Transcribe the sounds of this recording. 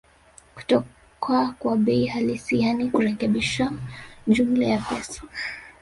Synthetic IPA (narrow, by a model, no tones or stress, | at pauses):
ku̥tɔ | kʰakwaɓɛihalisianikuɾɛkɛɓiʃad͡ʒumlɛjapɛsɔ̥